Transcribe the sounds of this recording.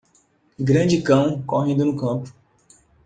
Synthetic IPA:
ɡɾɐ̃d͡ʒɪkɐ̃w̃koɦẽnd̪ʊnʊkɐ̃pʊ̥

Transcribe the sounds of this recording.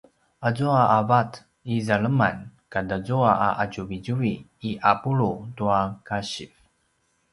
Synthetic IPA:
azuaʔavat | izaɭəmankadazuaʔaʔaɟuviɟuiːʔapuɭutuakaɕif

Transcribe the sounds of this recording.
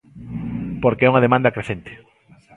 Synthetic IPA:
poɾkeɛuŋɐð̞emãnd̪ɐkɾeθent̪e̥

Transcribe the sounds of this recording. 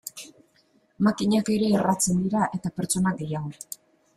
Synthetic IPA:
makiɲake̞ɾe̞ːrat͡se̞nd̪iɾaʔe̞t̪ape̞ɾt͡so̞naɡe̞jaɣ̞o̞

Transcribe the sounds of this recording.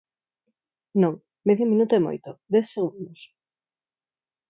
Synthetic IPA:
nõŋ | meðjomĩnut̪oemo̰jt̪od̪ɛθseɣund̪os

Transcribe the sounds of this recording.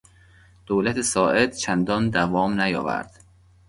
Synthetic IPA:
d̪̥oːlæt̪ʰesɒːʔe̞d̪t͡ʃʰænd̪ɒnd̪ævɒːmnæjɒ̰ːvæ̰ɾd̪̥

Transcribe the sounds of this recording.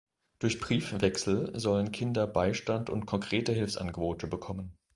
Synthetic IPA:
d̥ʊɐçb̥ʁiːfvɛksl̩zɔlənkʰɪndɐbaɪʃtantʊ̰ntkʰɔŋkʁ̥eːtəɦɪlfsʔa̰nɡəboːtʰəbəkʰɔmən

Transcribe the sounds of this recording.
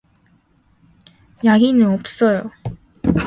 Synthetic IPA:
jaɡinɯʌp̚s͈ʌjo

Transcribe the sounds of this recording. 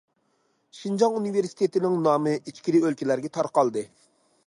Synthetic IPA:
ʃind͡ʒɑŋuniveɾsi̥t̪ʰet̪ɪnɪŋnɑːmɨʔit͡ʃkʲiɾiølkʲilæɾɡʲɛt̪ʰɑɾqɑlˠd̪ɨ

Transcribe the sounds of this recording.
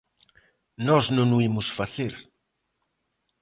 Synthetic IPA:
nɔznõnuimʊsfaθeɾ

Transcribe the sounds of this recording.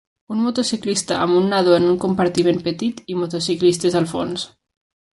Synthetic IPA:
unmot̪osiklist̪aʔa̰munːaðoenuŋkompaɾt̪imenpet̪it̪imot̪osiklist̪ezalfo̰ns

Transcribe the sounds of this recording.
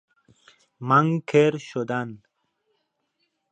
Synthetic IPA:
maŋkʰeɾɕod̪an

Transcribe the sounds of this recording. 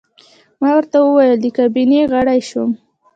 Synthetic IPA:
mɑwəɾt̪awəwajəld̪əkabineɣaɽajʃwəm

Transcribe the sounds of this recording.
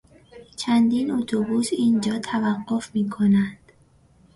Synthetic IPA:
t͡ʃʰænd̪iːnot̪ʰobuːsiːnd͡ʒɒːt̪ʰævæɢːofmiːkʰonænd̪̥

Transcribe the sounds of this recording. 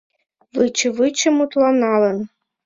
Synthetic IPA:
vɨt͡ɕə̆vɨt͡ɕə̆mut̪lˠɑnɑlə̆n

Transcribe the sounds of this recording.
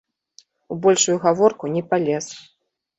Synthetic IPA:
ubɔlʲʂujuɣavɔrkunʲɛpalʲɛs

